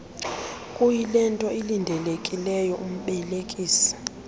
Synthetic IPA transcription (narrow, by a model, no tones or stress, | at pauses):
kʼujilɛntʼɔilindʱɛlekʼilɛjɔʔum̩ɓɛlekʼiːsi̥